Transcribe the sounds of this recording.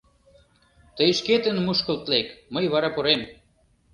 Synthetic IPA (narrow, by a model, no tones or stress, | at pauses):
t̪əjʃket̪ə̆nmuʃkə̆lt̪lekməjβɑɾɑpoɾem